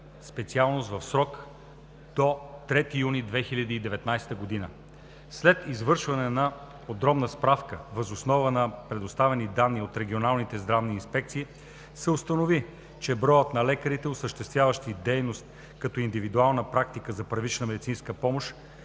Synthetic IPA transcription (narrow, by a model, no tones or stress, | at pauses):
spɛt̪sialˠnost̪vəfsɾɔk | d̪̥ot̪ɾɛt̪ijunid̪vɛxilʲəd̪iːd̪ɛvɛt̪najst̪əɡod̪inə | slɛt̪izvɤɾʃvɐnɛna | pod̪ɾɔmnəspɾafkəvɐzosnɔvənɐpɾɛd̪ost̪avɛnid̪anːiot̪ɾɛɡ̟ʲionalˠnit̪ɛzd̪ɾavniːnspɛkt̪siː | sɛʊst̪ənovi | t͡ʃɛbɾɔjət̪nɐlɛkəɾit̪ɛosəʃt̪ɛst̪vʲjavəʃt̪id̪ɛjnost̪ | kɐt̪ɔind̪ivid̪ualˠnəpɾak̚t̪ikəzɐpɾɐvit͡ʃnəmɛd̪it̪sinskəpɔmoʃ